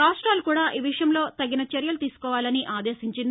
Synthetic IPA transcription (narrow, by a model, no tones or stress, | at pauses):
kaːsʈaːlukuːɽaːʔiːʋiʂɐjɐmlo̞ːt̪ɐɡːinɐt͡ʃɐɾjɐlut̪iːsu̥kɔːʋaːlɐniʔaːd̪e̞ːsiɲt͡ʃin